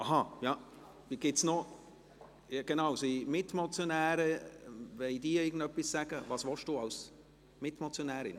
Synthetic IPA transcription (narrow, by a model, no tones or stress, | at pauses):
ʔɑɦɑjɑ | viɡ̥ɪtsnɔ | jɡ̥enaʊsimɪtmɔt͡sjonæːɾəvɛɪdiːɪːɡən̩dœpːissæɡ̥əvɑːsʋɔʃd̥uːɑʊs | mɪtmɔt͡sjonæːɾɪ̰n